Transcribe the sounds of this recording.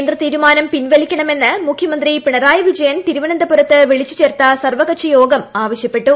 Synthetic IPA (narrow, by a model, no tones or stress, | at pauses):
nd̪rɐt̪iːɾɯmaːnɐmpɪnʋɛɭɪkʲːɐɳɐmɛnːɐmʊkʰjɐmɐnd̪ripɪɳɐɾaːjɐʋɪd͡ʒɐjɐnt̪ɪɾɯʋɐnɐnd̪ɐpʊɾɐt̪ːɐʋɛɭɪt͡ʃːɯ̥t͡ʃːeːrt̪aːsɐrʋɐkɐʈ̚t͡ʃijoːɡɐmaːʋɐʃjɐpːɛʈːɯ